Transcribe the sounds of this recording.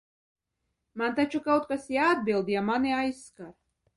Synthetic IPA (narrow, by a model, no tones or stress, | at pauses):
mant̪at͡ʃukawt̪̚kasjaːd̪̚bilˠd̪jamaniajsːkaɾ